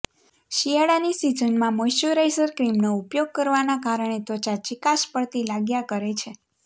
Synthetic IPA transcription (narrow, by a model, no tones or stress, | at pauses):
ʃijaɽanisid͡ʒənmãməjʃuɾajsəɾkɾimnoupjoɡ̚kəɾʋanakaɾəɳ̃et̪ɔt͡ʃat͡ʃikaʃpəɭt̪ilaɡjakəɾet͡ʃʰe